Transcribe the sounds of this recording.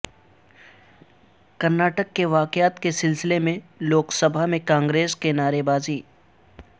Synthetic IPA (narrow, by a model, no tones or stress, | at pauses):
kɐɾnaːʈəkːeʋaːkɪjaːt̪kesɪlsɪlemẽloːksəbʱamẽkãːŋɡɾeːskenaːɾebaːziː